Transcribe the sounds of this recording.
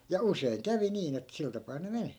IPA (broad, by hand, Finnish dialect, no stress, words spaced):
jɑ useiŋ kæʋi niːn et sil tɑpɑː ne meni